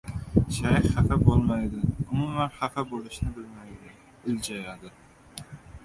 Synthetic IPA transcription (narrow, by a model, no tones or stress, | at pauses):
ʃajχafæbolˠmɑjd̪ɪʊmumanχafabolˠɪʃnɪbɪlmajd̪ɪ | ɪld͡ʒɑjɑd̪ɪ